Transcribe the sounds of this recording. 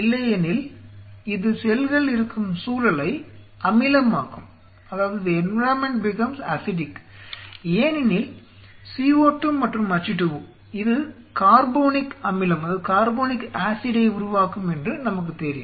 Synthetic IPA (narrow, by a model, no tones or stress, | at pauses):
ɪlːɐjɐnɪl | ɪðɯsɛlɣɐɭɪɾɯkːɯmsuːɾɐlɐɪʔɐmɪlɐmaːkɯm | ɐðaːʋɐðɛnɾaːmɛɳʈ̚bɪkɐmsaːsɪʈɪk | eːnɪnɪl | siːoːʈːɯmmːɐʈrɯmɐt͡ʃːɪʈːɯʋɯ | ɪðɯ | kaːɾboːnɪkɐmɪlɐmɐðɯkaːɾboːnɪkaːsɪɽɐɪʊɾʊʋaːkɯmɛndrɯnɐmɐk̬ːɯt̪ɛɾɪj